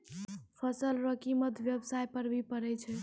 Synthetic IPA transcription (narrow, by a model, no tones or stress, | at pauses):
pʰəsəlɾəkiməd̪ʱʋjəbsajpəɾbʱipəɾɛt͡ʃʰɛ